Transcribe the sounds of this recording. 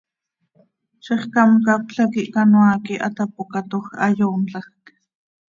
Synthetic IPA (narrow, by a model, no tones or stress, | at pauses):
ʃiχkɑmkap̚ɬakiʔkanwaːkiʔat̪apokat̪oxajoːnt͡ɬɑxk